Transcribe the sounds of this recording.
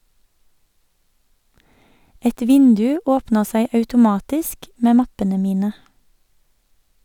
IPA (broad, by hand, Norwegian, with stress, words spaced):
ˈɛt ˈʋɪndʉ ˈoːpnəʁ ˈsæɪ ɑʉtʊˈmɑːtɪsk ˈmeː ˈmɑpənə ˈmiːnə